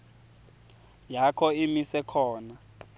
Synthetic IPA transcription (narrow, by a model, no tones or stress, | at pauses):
jakʰɔimisɛkʰɔːna